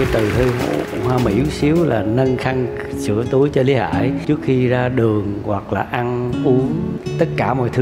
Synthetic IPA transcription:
a˨˦jt̪ɨ˨˩t̪ʰɨ˧ɦo̰˧˩hwaː˧mḭ˧˩wsi˨˦əwla̰ː˨˩nə˧nxa˧ŋ | sɨ̰˧˥ət̪u˨˦əjt͡ɕɔ˧li˨˦ha̰ː˧˩˨jt͡ɕɨ˦˥ək̚xi˧zaː˧ɗɨ˨˩əŋɣwa˨˩k̚laː˨˩ʔa˧nʔu˨˦əŋt̪ə˦˥t̚kaː˧˩mɔ̰˧˨jt̪ʰɨ˨˦

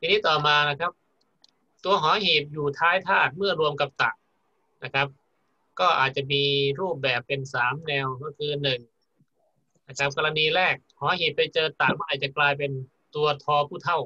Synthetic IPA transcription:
t̪iː˧niː˦˥˩t̪ɔː˨˩maː˧na˦˥˩kʰa˦˥p̚ | t̪u˧ɐɦɔː˩˦ɦeː˨˩p̚juː˨˩t̪ʰaː˧˥jt̪ʰaː˥˩t̪̚mɯ˥˩ɐɾu˧əmka˨˧˦p̚t̪a˨˩ʔ̚ | na˦˥˩kʰa˦˥p̚ | kɔː˥˩ʔa̰ː˨˩t̪̚t͡ɕa˨˩miː˧ɾuː˥˩p̚bɛː˨˩pːe˧nsaː˩˦mnɛː˧wkɔː˥˩kʰɯː˧nɯ˨˩ŋ | na˦˥˩kʰa˦˥p̚kɔ˧ɾa˧niː˧ɾɛː˥˩k̚hɔː˩˦ɦeː˨˩p̚ːa˧jt͡ɕɤː˧t̪ːaː˨˩k̚maː˥˩ʔaː˨˩t͡ɕa˨˩klaː˧jp̬e˧n | t̪u˧ɐt̪ʰɔː˧pʰuː˥˩t̪ʰa˥˩w

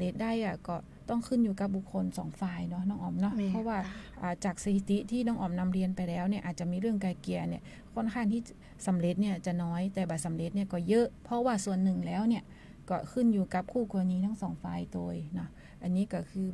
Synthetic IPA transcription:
le˧t̪̚da˥˩jʔa˧˩kɔː˧˩ | t̪ɔ˥˩ŋkʰɯ˧˥˨njuː˧ka˧˥p̚bu˨˧˩kʰːo˧nsɔː˨˦ŋfaː˧jnɔ˧˥nɔː˧˥˩ŋʔɔː˨˧˩mnɔ˧pʰɔ˧˥waː˧˥˩ʔaː˨˩t͡ɕaː˨˩k̚sa˧t̪ʰi˧˩t̪i˧˥t̪ʰiː˥˩nɔː˧˥˩ŋʔɔː˨˩mna˧˥mɾi˧ənpa˧˨jlɛː˦˥wni˧˩ʔːt̪̚t͡ɕa˨˩miː˧˥ɾɯ˥˩əŋkaː˧jki˨˩əni˧˩ | kʰo˧˥˩nkʰaː˧˥˩ŋt̪ʰiː˥˩ | sa˨˩˦mɾe˧˥t̪̚ni˧˥˩ɐt͡ɕa˨˩nɔː˧˦˥jt̪ɛː˨˩ba˨˩t̪̚sa˨˦mle˧˥t̪̚ni˧˥ə˨kɔː˧˩jɤ˦˥ʔpʰɔ˧˥waː˧˩su˨˩ənːɯ˨˩ŋlɛː˦˥wni˧˩ə | kɔː˧˩kʰɯ˧˥˩njuː˨˧ka˧˥p̚kʰuː˥˩ku˧la˧niː˧˥t̪ʰa˧˥˩ŋsɔː˩˦ŋfaː˧jt̪oː˧jnɔ˦˧˥ | ʔa˧nːiː˦˥ka˧˩kʰɯː˧

